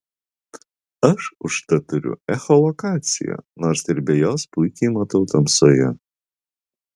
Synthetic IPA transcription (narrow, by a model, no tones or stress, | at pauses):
ɐʃʊʃt̪ɐt̪ʊɾʲʊ̰ɛxɔlˠɔkɑːt̪sʲɪ̰jo̰noːɾsɪɾʲbʲɛjoːspʊɪkʲɛɪmɔt̪ɔʊt̪ɐmsɔjɛ